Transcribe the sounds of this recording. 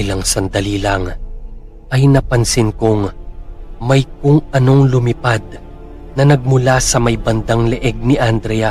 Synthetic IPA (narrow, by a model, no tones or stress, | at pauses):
ɪlɐŋsɐnd̪ɐliːlɐŋ | ʔɐjnɐpɐnsɪnkoŋ | mɐjkʊŋʔɐno̞ŋlʊmɪpad̪̚ | nɐnɐɡ̚mʊlasɐmɐjbɐnd̪aŋlɛʔɛɡ̚nɪʔand̪ɾɛja